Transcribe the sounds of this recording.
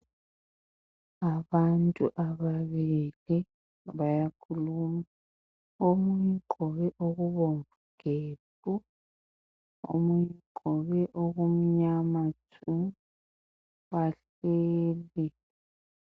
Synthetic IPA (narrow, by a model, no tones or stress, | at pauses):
aβantʼṵʔaβaβili | βajakʰuluma | omujiǃɔβɛʔoɣuβoɱvuɡ̥eːbʼu | o̰mujiǃɔβɛʔoɣum̩ɲamatʰu | waɬ | eːli